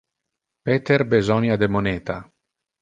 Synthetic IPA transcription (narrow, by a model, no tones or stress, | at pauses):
pet̪erbezɔnjad̪emoneːt̪a